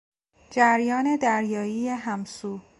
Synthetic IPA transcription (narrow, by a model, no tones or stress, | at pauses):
d͡ʒæɾjɒːne̞d̪æɾjɒːijeɦæmsuː